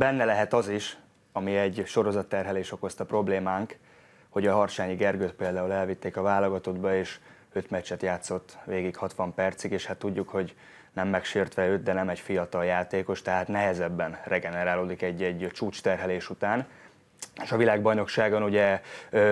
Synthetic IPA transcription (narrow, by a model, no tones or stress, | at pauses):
bɛnːɛlɛɦɛt̪ɒziʃ | ɒmiɛɟʃo̞ɾo̞zɒt̪ːɛrɦɛleːʃo̞ko̞st̪ɒpro̞bleːmaːŋk | ho̞ɟɒɦɒrt͡ʃaːɲiɡɛrɡøːt̪̚peːld̪aːulɛlvit̪ːeːkɒvaːloɡɒt̪o̞d̪bɒeːʃ | øt̪mɛt͡ʃːɛt̪jaːt̪so̞t̪ːveːɡikhɒt̪ʋɒmpɛrt̪sikeːʃhat̪ːuɟːukho̞ɟ | nɛmːɛkʃeːrt̪ʋɛøːt̪d̪ɛnɛmɛcfijɒt̪ɒljaːt̪eːko̞ʃt̪ɛɦaːt̪nɛɦɛzɛbːɛnrɛɡɛnɛɾaːloːd̪ikɛɟːɛɟt͡ʃuːt͡ʃt̪ɛrɦɛleːʃut̪aːn | eʃɒvilaːɡbɒjno̞kʃaːɡonuɟɛ